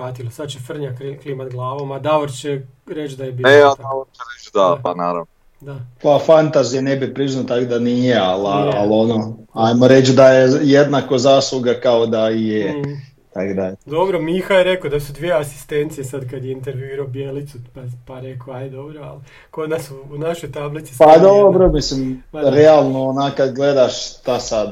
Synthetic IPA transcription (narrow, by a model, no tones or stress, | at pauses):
aːt̪ilˠosad̪t͡ʃefr̩ɲakklimat̪ɡlˠaːʋomad̪aʋoɾt͡ʃe | ɾet͡ʃd̪ajebjeaaʋoɾt͡ʃeɾet͡ʃd̪apanaːɾa̰ʋno | d̪apafant̪azijenebipɾiznat̪akod̪anijealaalo̞noajmoɾet͡ʃd̪ajejed̪nakozaːslˠuɡakaod̪aije | t̪akd̪aʎed̪obɾomixajeɾekod̪asud̪ʋijeasi̥st̪ent̪sijesad̪kad̪jeint̪eɾʋjuiɾaobjelit̪supapaɾekoajd̪obɾoal | kod̪nasuːnaʃojt̪ablit̪sipad̪obɾo̞mislimɾealˠnoonaːkad̪ɡled̪aʃt̪asad̪